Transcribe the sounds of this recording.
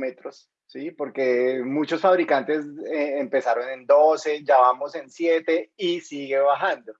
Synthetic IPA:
met̪ɾosː | ipo̞ɾke̞mut͡ʃosfaβɾikant̪eseːmpe̞saɾo̞ne̞nd̪o̞se̞d͡ʒaβamo̞se̞nsje̞t̪e̞isiɣe̞βaxand̪o

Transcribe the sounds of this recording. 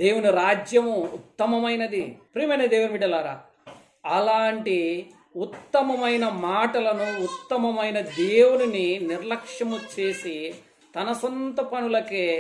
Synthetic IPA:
d̪e̞ːwuniɾaːd͡ʒjɐmuːt̪ːɐmɐmɐjnɐd̪ipɾiːmɐjnɐd̪eːwuniʋiːɽɐlaːɾaː | ɐlaːɳʈi | ut̪ːɐmɐmɐjnɐmaːʈɐlɐnuːt̪ːɐmɐmɐjnɐd̪eːwunininiɾlɐkʂjɐmut͡ʃe̞ːsi | t̪ɐnɐsont̪ɐpɐnulɐkeː

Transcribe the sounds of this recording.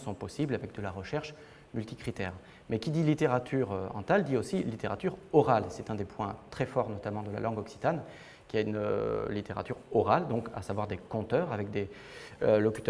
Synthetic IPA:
sɔ̃pɔsiblavɛk̚d̪əlaʁəʃɛʁʃ | mylt̪ikχit̪ɛːʁ | mɛkʲid̪ilit̪eʁat̪ʰyʁøɑ̰̃t̪ald̪iosilit̪eʁat̪yʁɔʁalsɛt̪ɛ̃d̪epʰwɛ̃t̪χɛfɔʁnɔt̪amɑ̃d̪əla̰lʔɑ̃ɡɔksi̥t̪an | kʲiaynø̰lit̪eʁa̰t̪yʁɔʁald̪ɔ̃ka̰savwaʁd̪ekɔ̃t̪œːʁavɛk̚d̪e | ølɔky̥t̪

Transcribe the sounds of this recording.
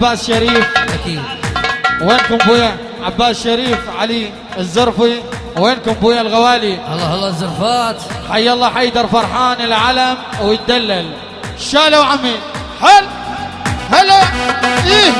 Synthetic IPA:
abːaːʔsʃaɾiːfakiːd̪ | weːnkʊmbuːja | ʕabːaːʔsʃːaɾiːfʕali | ɪzːʊɾˤfi | weːnkʊmbuːjalɣawaːliɑlːɑhɑlːɑzːʊɾˤfaːt̪ħajːɑlˤːɑːħajd̪ɑɾˤfɑɾˤħaːnɪlʕalamwjɪt̪̚d̪alːal | ʃaːlawʕamːi | hal | halaliː

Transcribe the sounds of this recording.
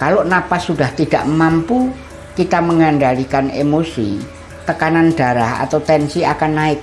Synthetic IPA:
kalonapasuɖaht̪id̥a̰ʔmampu | kit̪aməŋanɖalikanemosḭ | t̪əkanand̥a̤ɾaha̰t̪awt̪ɛnsiakanːaɪk̚

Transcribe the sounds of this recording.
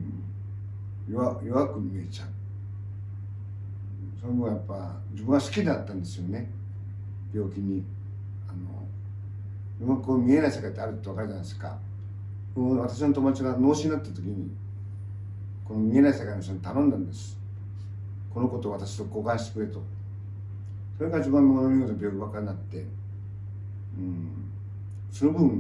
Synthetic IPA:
joβajo̞βakɯ̟mʲie̞t͡ɕa | so̞nobɯ̟ɰ̃ajapːa | d͡ʑibɯ̃ɰ̃ɡasɨ̥kʲid̪eat̪ːãnd̪e̞sɨjo̞ne̞ | b̥ʲo̞ːkʲiɲ̟i | ano̰ | jomakɯkomʲie̞naisekait̪ːeaɾɯ̟t̪ːoakaɾɯd͡ʑanaeska̰ | ɯβat̪aɕ̬inot̪o̞moat͡ɕiɡano̞ːɕiɲnat̪ːat̪o̞kʲiɲ̟i | ko̞nomʲie̞naisekainoɕonot̪anõ̞nd̪ãnd̪esɨ̥ | ko̞no̞ko̞t̪o̞ːβat̪aɕi̥oko̞ːkãɰ̃ɕi̥t̪ekɯ̟ɾet̪o̞ | so̞ɾe̞ɡad͡ʑibãŋɡomanomʲiot̪onobʲjoːkʲiβakaɾnat̪ːe̞ | ɯ̃ | so̞no̞bɯ̟bɯ̟̃ŋ

